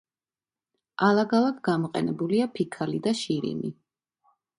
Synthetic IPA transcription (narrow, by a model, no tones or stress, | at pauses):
alˠaɡalˠad̪ɡamɔqʼɛ̰nɛbuliapʰikʰalid̪aʃiɾḭni